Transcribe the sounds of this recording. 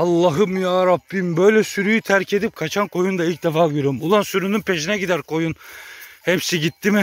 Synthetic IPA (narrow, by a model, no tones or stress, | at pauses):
ɑlˠːaɦɯmjaːɾabːimbø̞jlʲɛsyɾyjyt̪ʰæɾcʰe̞d̪ip̚kʰat͡ʃʰankʰo̞jund̪ailʲc̚d̪efaːɡyjɾmulˠansyɾynynpʰe̞ʃinɛɟid̪æɾkʰo̞junhepsiɟit̪ːimɪ